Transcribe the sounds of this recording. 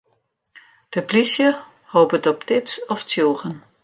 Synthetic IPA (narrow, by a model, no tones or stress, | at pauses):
d̥əplisjə | hoːbətɔptɪpsɔftjoːχən